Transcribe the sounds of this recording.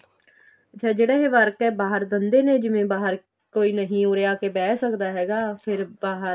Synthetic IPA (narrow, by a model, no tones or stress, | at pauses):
ət͡ʃʰaːd͡ʒeːɽɛːɦeːʋəɾkɛːbaːɦəɾd̪ənd̪eːneːd͡ʒɪʋẽːbaːɦəɾ | koːiːnəɦĩːoːɾeːaːkeːbɛːsəkd̪aːɦɛːɡaːpʰɪɾbaːɦə